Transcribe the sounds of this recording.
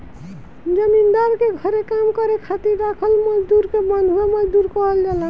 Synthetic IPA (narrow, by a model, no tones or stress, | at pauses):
d͡ʒəmind̪aɾkeɡʱəɾekamkəɾekʰat̪iɾːakʰəlməd͡ʒd̪uɾkebənd̪ʱɦueməd͡ʒd̪uɾkɔɦəld͡ʒalã